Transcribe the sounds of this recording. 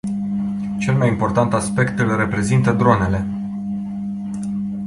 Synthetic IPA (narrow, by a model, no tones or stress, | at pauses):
t͡ʃe̞lmajimpo̞rt̪ant̪aspe̞kt̪ɨlre̞pɾe̞zint̪əd̪ɾo̞ne̞le̞